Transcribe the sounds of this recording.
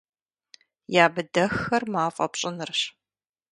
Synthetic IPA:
jaːbɨdɐxːɐrmaːfʼɐ̰pɕʼɪnɨrɕ

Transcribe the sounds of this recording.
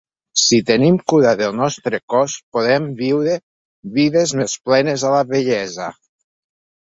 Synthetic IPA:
sit̪enimkuɾaðelˠnɔst̪ɾekɔspoðembiwɾe | βiðezmesplɛnezalaβeʎɛza

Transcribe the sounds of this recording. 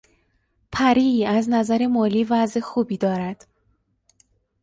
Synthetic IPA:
pʰæɾiːæznæzæɾe̞mɒːliːvæzexuːbiːd̪ɒːɾæd̪̥

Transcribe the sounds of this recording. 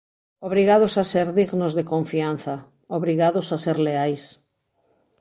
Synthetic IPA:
oβɾiɣað̞ʊsaseɾðiɣnozðekoɱfian̟θa | oβɾiɣaðʊsaseɾleajs

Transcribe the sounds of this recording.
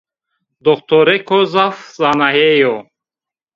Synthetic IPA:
d̪ɔχt̪ʰɔɾɛkʰɔzafzanaɦejɔ

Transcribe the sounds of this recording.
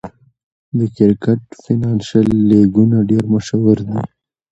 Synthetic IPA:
d̪əkɪɾkəʈ̚finanʃalːeɡunaɖeɾməʃawəɾd̪i

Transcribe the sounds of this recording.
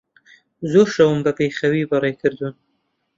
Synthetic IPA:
zoɾʃawumbapexawibɑɾɑjkəɾd̪un

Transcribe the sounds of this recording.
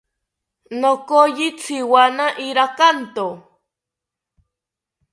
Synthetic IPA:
nokojit͡sʰiwanaʔiɾakant̪o

